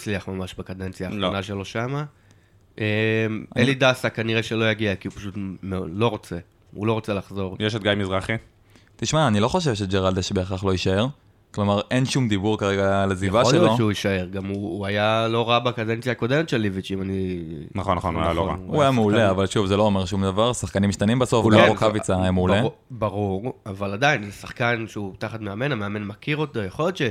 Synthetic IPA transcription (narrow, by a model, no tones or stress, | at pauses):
liaχmamaʃbakad̪ent͡sjaːχonaʃelo̞ʃama | ʔemelidasakaniʁeʃe̞lo̞jaɡiakiupḁʃutmelo̞ʁo̞t͡se̞ | ulo̞ʁo̞t͡selaχzo̞ʁjeʃet̚ɡajmizʁaχi | t̪iʃmaːnilo̞χo̞ʃ̬e̞vʃe̞d͡ʒeʁald̪eʃbeːχaχloiʃae̞ʁ | klomaʁenʃumd̪ibuʁkaʁeɡalazivaʃeloʃeuiʃaeʁɡamuːajalo̞ʁabeakad̪ent͡sjaːko̞d̪emet̪ʃelivit͡ʃimani | naχonːaχonajaloʁa̰uajameuleavalʃuvzelo̞ːmeʁʃumd̪avaʁsaχkanimʃt̪animbaso̞fʁokavit͡sajameule | baʁuʁavalad̪ainsḁχkanʃeut̪aχat̪meame̞nameame̞nmakiʁot̪ojaχoljot̪ʃe